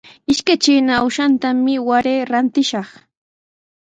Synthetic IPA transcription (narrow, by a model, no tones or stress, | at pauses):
ɪʃkat͡ʃɪnawʃant̪amɪwaɾeːɾant̪ɪʃɑχ